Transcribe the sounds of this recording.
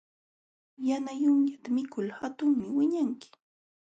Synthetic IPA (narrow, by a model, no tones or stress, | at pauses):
janajʊŋjat̪amɪkʰʊlhat̪ʊŋmɪwɪɲaŋkɪ̥